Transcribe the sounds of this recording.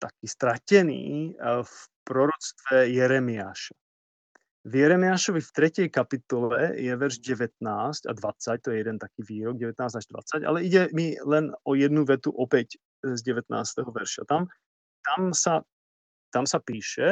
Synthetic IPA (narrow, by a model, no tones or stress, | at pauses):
t̪akiːst̪ɾacɛnḭːfpɾɔɾɔt͡st̪ʋɛjɛɾɛmiaːʃḁ | vjɛɾɛmɪaːʃɔʋift̪ɾɛcɛjkapit̪ɔlɛ̰jɛʋɛɾʒɟɛʋɛt̪̚naːsca̰d̪ʋat͡sac̚t̪ɔjɛjɛd̪ɛnt̪akiːʋiːɾɔɡ̚ɟɛʋɛt̪naːzaʒd̪ʋa̰t͡saɟa̰lɛiɟɛmilɛnɔjɛd̪nuʋɛt̪uʔɔpɛc | zɟɛʋɛt̪na̰ːst̪ɛɦɔʋɛɾʃa̰t̪am | t̪amsa | t̪amsapiːʃɛ